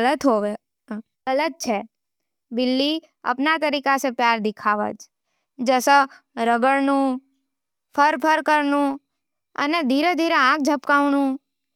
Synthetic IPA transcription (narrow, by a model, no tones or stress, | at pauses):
ələt̪ɦoʋe | ələt̪̚t͡ʃʰe | bɪlːi | a̰pnat̪əɾikasepjaɾd̪ɪkʰaʋə̰t͡ʃ | d͡ʒəsə | ɾəɡəɭnũ | pʰəɾpʰəɾkəɾnũ | ə̰ned̪ʱiɾed̪ʱiɾeãk̚d͡ʒʱəpkaʋnũ